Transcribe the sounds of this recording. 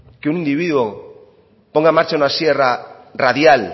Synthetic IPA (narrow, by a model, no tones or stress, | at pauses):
keunĩnd̪iβ̞iðwo | poŋɡaemaɾt͡ʃaunasjeraraðjal